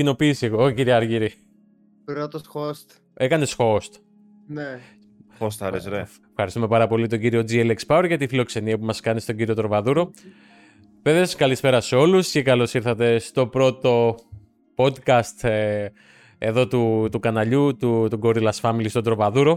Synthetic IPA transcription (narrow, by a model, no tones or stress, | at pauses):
cino̞piːsieɣoociɾiɐɾʝiɾi | pɾot̪osxost̪ | e̞kɐne̞sxo̞st̪ | ne | ost̪ɐɾezɾe | fxɐɾist̪ume̞pɐɾɐpo̞lit̪o̞ɲɟiɾio̞d͡zielekspɐweɾʝɐt̪ifilo̞kse̞niɐpumɐskɐnist̪o̞ɟiɾio̞t̪ɾo̞vɐðuɾo̞ | veðesskɐlispe̞ɾɐseo̞luscekɐlo̞siɾθɐt̪e̞st̪o̞pɾo̞t̪o̞ | po̞d̪kɐst̪ | e̞ðo̞t̪ut̪ukɐnɐʎut̪ut̪uɡo̞ɾilɐsfɐmilist̪od̪ɾo̞vɐðuɾo̞